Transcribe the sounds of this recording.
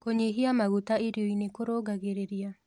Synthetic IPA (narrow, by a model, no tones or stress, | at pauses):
koɲeɦiamaɣutaeɾjoinekoɾoɡaɣeɾeɾia